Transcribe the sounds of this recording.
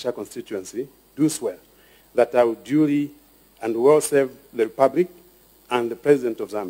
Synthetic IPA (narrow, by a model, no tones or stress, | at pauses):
ʃakɔ̃nstit͡ʃuɛ̃nsi | duswɛ | ðətaɪwuduli | ɨ̃ndwɛlˠsɛvðɨɹipablik̚ | ə̃nðəpʰɹɛzidɛ̃ntɔvzãm